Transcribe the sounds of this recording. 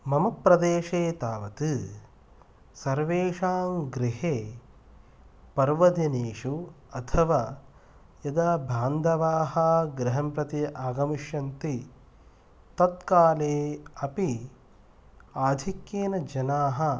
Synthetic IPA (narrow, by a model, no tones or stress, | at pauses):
mɐmɐpɾɐd̪eːʃeːt̪aːʋɐt̪ɨ | sɐɾʋeːʃaːmɡɾiɦeː | pɐɾʋɐd̪ineːʂu | ɐt̪ʰɐʋaː | jɐd̪aːbʱaːnd̪ɐʋaːɦɐɡɾɪɦɐmpɾɐt̪iaːɡɐmiʃjɐnt̪i | t̪ɐt̪̚kaːleːɐpi | aːd̪ʱikjeːnɐd͡ʒɐnaːɦɐ̆